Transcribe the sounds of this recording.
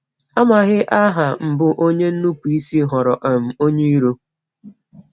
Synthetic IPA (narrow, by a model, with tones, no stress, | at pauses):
a˦ma˨ɣɪ˦ʔa˦ɦa˨m̩˨bʊ˨ʔo˦ɲe˦n̩˦nu˦pu˨i˦si˦ɦɔ˨ɾɔ˨ʔa˨m̩˨o˦ɲe˦i˦ɾo˦